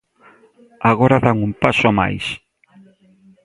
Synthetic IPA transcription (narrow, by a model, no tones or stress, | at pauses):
aɣoɾaðaŋumpasoama̰js